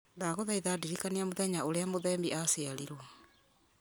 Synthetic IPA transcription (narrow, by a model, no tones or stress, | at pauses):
naɣoðaiðaːdiɾikaneamoðɛɲaoɾeamoðɛːmbiʔaseaɾiɾwɔ